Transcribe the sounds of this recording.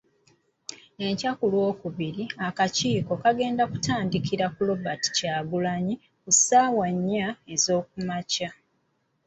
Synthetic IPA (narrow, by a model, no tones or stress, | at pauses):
e̞ɲcakulwo̞ːkuβiɾiakaciːko̞kaɡe̞ːndaku̥taːndikiɾakulo̞bati̥caːɡulaɲi | kusaːwaɲːae̞zo̞ːk̚umaca